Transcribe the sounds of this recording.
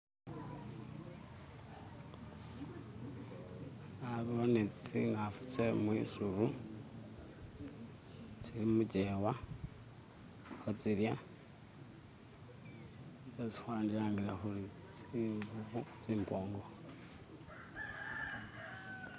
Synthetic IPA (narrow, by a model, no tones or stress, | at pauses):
aβionet͡sit͡siŋɡafu̥t͡semwisuɾu | t͡silimuɟewa | xot͡siɾja | et͡si̥xwaːndiɾaːŋɡiɾaxuli | t͡siŋɡuβut͡siːmpʰoːŋɡo